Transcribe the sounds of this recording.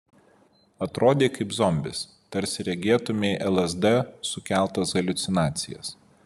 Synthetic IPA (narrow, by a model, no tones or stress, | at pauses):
ɐt̪ɾoːd̪ʲeːkɐɪpzɔmʲbʲɪs | t̪ɐɾʲsʲɪɾʲɛɡʲeɛt̪ʊmʲeɪʔɛlˠɛzd̪ɛsʊkʲæˑlˠt̪ɐsɡɐlʲʊt̪sʲɪnɑːt̪sʲɪjɛ̰s